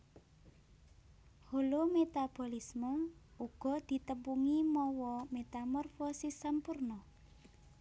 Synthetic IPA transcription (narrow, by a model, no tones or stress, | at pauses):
holomet̪ab̥ɔ̤lismɔuɡ̥ɔ̤d̪̥i̤t̪əmpuŋimɔwɔmet̪amɔrfosisampurnɔ